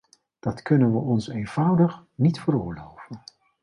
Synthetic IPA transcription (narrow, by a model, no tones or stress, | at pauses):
d̥ɑtkɵnənʋəʔɔnsejnv̥ʌwdəχnitfəɾʊːɹlowvən